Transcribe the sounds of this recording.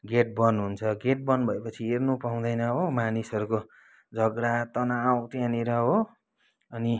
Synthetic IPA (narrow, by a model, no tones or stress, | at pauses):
ɡeʈ̚bʌnɦunt͡sʰʌɡeʈ̚bʌnbʱʌepʌt͡sʰiernupaũd̪ʌjnʌɦomanisʌɾuko | d͡zʱʌɡɾat̪ʌnawt̪jãniɾʌɦo | ʌni